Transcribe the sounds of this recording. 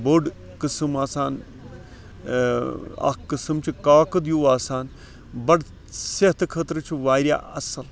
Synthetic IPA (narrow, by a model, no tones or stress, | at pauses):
boːɖ | kɨsɨmaːsaːn | ɐ̰kɨsɨmt͡ʃʰikaːkɨd̪juːaːsaːn | bɐɽ | seɦt̪kʰət̪ɾɨt͡ʃʰiʋaːɾja̰ɐsɐl